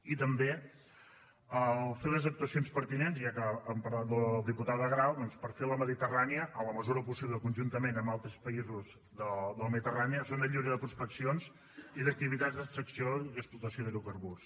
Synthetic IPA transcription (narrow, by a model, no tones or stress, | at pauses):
it̪əmbe | əlˠfeləzək̚t̪uəsionspəɾt̪inenziakəːmpəɾlat̪əlˠd̪iput̪aðəɣɾawd̪ɔnspəɾfeləməðit̪əraniəʔələməzuɾəpusiβləkunʲʒunt̪əmenəmbalˠt̪ɾəspəizuz | ðəd̪ələməðit̪əraniəsond̪əʎiβɾəðəpɾuspəksionz | iðək̚t̪iβit̪ad͡zzðəst̪ɾəksioiðəksplut̪əsijoðəɾuwkəɾβus